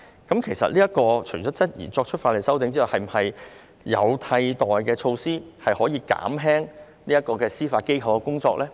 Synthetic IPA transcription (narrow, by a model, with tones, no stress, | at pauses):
kɐ˨˥mkʰe˨˩jsɐ̰˨t̚liː˥jɐ˥kɔː˧t͡ʃʰɵ˨˩t͡ʃɔː˨˥t͡sɐ˥t̚jḭː˨˩t͡sɔː˧k̚t͡ʃʰɵ˥faː˧tle˨˩jsɐ˥wt̪ɪ˨˥ŋt͡siː˥hɐ˨˩whɐ˨jm̩˨˩hɐ˨j | jɐ̰˨˧wt̪ʰɐ˧jt̪ɔː˨jkɛː˧t͡ʃʰo˧wsiː˥hɐ˨jhɔː˨˥jiː˧ka̰ː˨˥mɦɛː˥ŋ | niː˥ɐ˥t̚kɔː˧kɛː˧siː˥faː˧t̚ke˥jkʰɐ˨wkɛː˧kʊ˥ŋt͡sɔː˧k̚lɛː˥